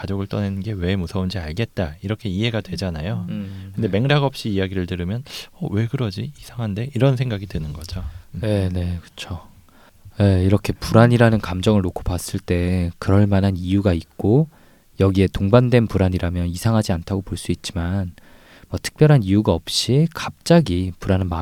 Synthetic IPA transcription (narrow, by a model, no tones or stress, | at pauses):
kad͡ʑoɡɯɭt͈ʌnenɯnɡe̞we̞musʰʌund͡ʑiaɭɡe̞t̚t͈aiɾʌkʰe̞iɦe̞ɡadwe̞d͡ʑanajokɯnde̞me̞ŋɾaɡʌp̚ɕ͈iːjaɡiɾɯɭtɯɾɯmjʌnʌwe̞ɡɯɾʌd͡ʑiisʰaŋɦande̞iɾʌns̬ʰe̞ŋɡaɡidɯnɯnɡʌd͡ʑone̞ne̞kɯ̥t͡ɕʰo | je̞iɾʌkʰe̞puɾaɲiɾanɯnkamd͡ʑʌŋɯɭnokʰo̥pas͈ɯɭt͈e̞kɯɾʌɭmanɦanijuɡait̚k͈o | jʌɡie̞toŋbandwe̞npuɾaɲiɾamjʌnisʰaŋɦad͡ʑiantʰaɡopoɭs͈uit̚t͡ɕ͈iman | mwʌtʰɯ̥k̚p͈jʌɾɦanijuɡaʌp̚ɕ͈ikap̚t͡ɕ͈aɡipuɾanɯnma